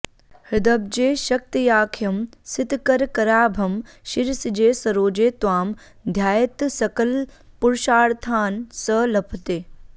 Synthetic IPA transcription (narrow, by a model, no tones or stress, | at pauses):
hɪd̪ɐb̚d͡ʒeːʃɐk̚t̪ijaːkʰjɐmsɪt̪kɐɾkɐɾaːbʱɐm | ʃiɾsid͡ʒeːsɐɾoːd͡ʒeːt̪ʋaːm | d̪ʱjaːjɐt̪sɐkɐlpʊɾʃaːɽt̪ʰaːnsəlɐpʰt̪eː